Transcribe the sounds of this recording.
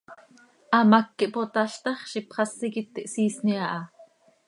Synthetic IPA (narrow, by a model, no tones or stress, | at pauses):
ʔɑmɑkːiʔpot̪ɑʃt̪ɑχʃipχɑsːikit̪ːiʔsiːsniɑʔɑ